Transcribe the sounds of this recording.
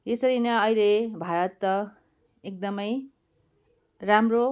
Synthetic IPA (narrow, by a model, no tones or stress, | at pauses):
jesʌɾinʌʌjlebʱaɾʌt̪ːʌ | ek̚d̪ʌmʌj | ramro